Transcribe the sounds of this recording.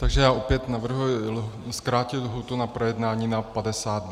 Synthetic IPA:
t̪aɡʒɛjaːʔo̞pjɛt̪navr̩ɦujɪlskɾaːcɪlɦut̪unapɾojɛdnaːɲiːnapadɛsaːd̪̚d

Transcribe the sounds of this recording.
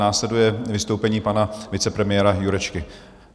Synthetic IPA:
aːslɛdujɛvɪst̪owpɛɲiːpanavɪt͡sɛpɾɛmɪjɛːɾajuɾɛt͡ʃkɪ

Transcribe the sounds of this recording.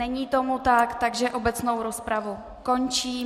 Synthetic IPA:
ɛɲiːt̪o̞mut̪akt̪aɡʒɛʔo̞bɛt͡sno̞wɾospɾavu | ko̞nt͡ʃiː

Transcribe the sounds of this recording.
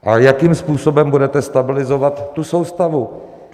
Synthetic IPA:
ʔajakiːmspuːso̞bɛmbudɛt̪ɛst̪abɪlɪzo̞vat̪ːuso̞wst̪avu

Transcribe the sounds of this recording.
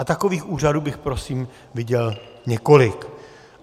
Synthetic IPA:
at̪ako̞viːxʔuːraduːbɪxpɾo̞siːm | vɪɟɛl | ɲɛko̞lɪk

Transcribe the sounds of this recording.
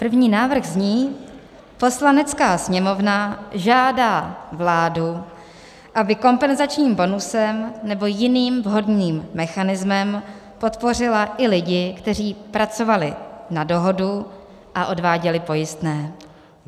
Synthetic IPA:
pr̩vɲiːnaːvr̩ɣzɲiː | po̞slanɛt͡skaːsɲɛmo̞vnaʒaːdaːvlaːdu | ʔabɪko̞mpɛnzat͡ʃɲiːmbo̞nusɛmnɛbo̞jɪniːmvɦo̞dniːmːɛxanɪzmɛm | po̞t̪po̞r̝ɪlaʔɪlɪɟɪkt̪ɛriːpɾat͡so̞valɪnado̞ɦo̞du | ʔaʔo̞dvaːɟɛlɪpo̞jɪst̪nɛː

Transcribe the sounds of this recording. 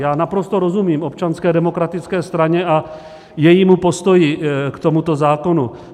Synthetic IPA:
jaːnapɾo̞st̪o̞ɾozumiːmo̞p̚t͡ʃanskɛːdɛmo̞kɾat̪ɪt͡skɛːst̪ɾaɲɛʔa | jɛjiːmupo̞st̪o̞jɪkt̪o̞mut̪o̞zaːko̞nu

